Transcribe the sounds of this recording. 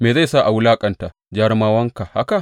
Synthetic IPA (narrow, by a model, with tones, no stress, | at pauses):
meː˨za˦˨jsa˦˨ʔa˨wʊ˦laː˦kʼɐ˨nta˨ | d͡ʒa˦ɾmaː˦wɐ˦ŋka˨ha̰˦ka˨ʔ